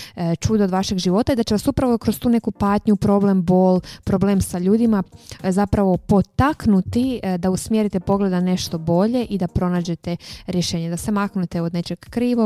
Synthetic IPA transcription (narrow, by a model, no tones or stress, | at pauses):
t͡ʃud̪od̪ʋaʃe̞ɡʒiʋo̞t̪aid̪at͡ɕe̞ʋasupɾaʋokɾozt̪uːne̞kupaːt̪ɲupɾo̞ble̞mbo̞ːlpɾobleːmsaʎuːd̪imazapɾaʋo̞po̞t̪aknut̪id̪ausmjeɾit̪epo̞ɡle̞d̪ane̞ʃt̪o̞bo̞ʎe̞ʔid̪apɾo̞naːd͡ʑe̞t̪eɾje̞ʃe̞ːɲed̪ase̞maknut̪eod̪ne̞t͡ʃe̞ɡ̥kɾiːʋo